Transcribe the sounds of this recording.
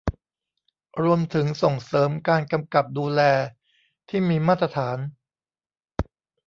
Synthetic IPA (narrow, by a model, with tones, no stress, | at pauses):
ɾu˧əmt̪ʰɯ˩˦ŋso˨˩ŋsɤː˩˦mkaː˧nka˧mka˨˩p̚duː˧lɛː˧ | t̪ʰiː˥˩miː˧maː˥˩t̪ːɾa˧t̪ʰaː˩˦n